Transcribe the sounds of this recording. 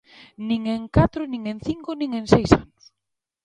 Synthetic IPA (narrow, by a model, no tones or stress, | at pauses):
nĩŋeŋkat̪ɾʊnĩŋẽn̟θiŋkʊnĩŋẽnsejsanʊs